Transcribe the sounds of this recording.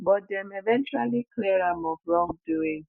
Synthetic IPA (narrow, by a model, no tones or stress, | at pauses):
bɔdɛmevɛ̃nt͡ʃualikleɾamɔvɾɔŋduĩŋ